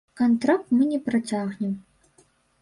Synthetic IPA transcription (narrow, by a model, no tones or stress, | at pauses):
kant̪ɾak̚t̪mɨnʲɛpɾat͡sʲaɣnʲɛm